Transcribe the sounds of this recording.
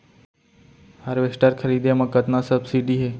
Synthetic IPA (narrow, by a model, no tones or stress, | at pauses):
haɾʋesʈəɾkʰəɾiːd̪emãkət̪nasəbsiɖiɦeː